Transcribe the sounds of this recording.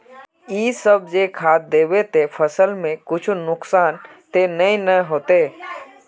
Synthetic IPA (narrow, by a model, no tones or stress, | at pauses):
iːsəb̚d͡ʒeːkʰaːt̪̚d̪eːwet̪epʰəsəlmẽkʊt͡ʃʰnʊksaːnt̪enəĩnəɦoːt̪eː